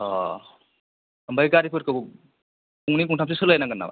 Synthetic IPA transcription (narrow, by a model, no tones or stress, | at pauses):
ɔ | əmbʱajkaɾipʰɯɾkɯb | puŋnip̬uŋtʰamps̬isɯlajnaɡɯnːa̰ba̰